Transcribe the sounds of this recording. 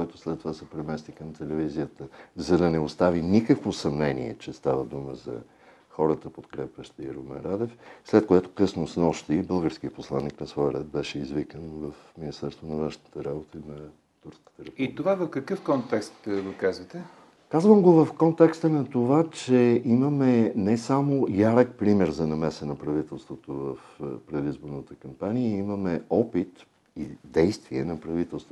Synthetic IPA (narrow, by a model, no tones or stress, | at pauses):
kɔjt̪ʊslɛt̪ːovasɛpɾɛmɛst̪ikɐmt̪ɛlɛvizijət̪əzɐd̪ɐnɛost̪avinikəkvosɐmnɛnḭɛ̰t͡ʃɛst̪avəd̪uməzɐ̰ | xɔɾət̪əpot̪kɾɛpʲjəʃt̪ɛɾomɛ̰ɾad̪ɛfslɛt̪̚koɛt̪ʊ̥kɤsnosnɔʃt̪ibɤlˠɡəɾskiəposlˠanːiknɐsvɔjɾɛt̪̚bɛʃɛizvikənvəfminist̪ɛɾst̪vonɐvənʃnət̪əɾabot̪əinɐ | t̪uɾskə̥t̪əɾɛpit̪ovavɐfkɐkɤfkɔnt̪ɛkst̪ɡokazvət̪ɛ | kazvəmɡovɐfkɔnt̪ɛkst̪ənɐt̪ovat͡ʃɛimɐmɛnɛsamojaɾək̚pɾimɛɾzɐnɐmɛsənɐpɾɐvit̪ɛlˠst̪vot̪ovəfpɾɛd̪izboɾnət̪əkɐmpaniəimɐmɛɔpit̪ | id̪ɛjst̪viɛnɐpɾɐvit̪ɛlˠst̪vo